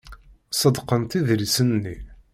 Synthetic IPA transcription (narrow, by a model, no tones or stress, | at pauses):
sˤəd̪qənt̪iðɾisənːḭ